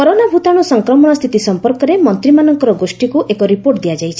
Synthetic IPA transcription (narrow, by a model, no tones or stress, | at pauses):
kɔɾonabʱut̪aɽ̃ɔsɔŋkɾɔmɔɽ̃ɔst̪ʰit̪isɔmpɔɾkɔɾemɔnt̪ɾimanɔŋkɔɾɔɡosʈikuʔekɔɾipoɾʈd̪ijad͡ʒajt͡ʃʰi̥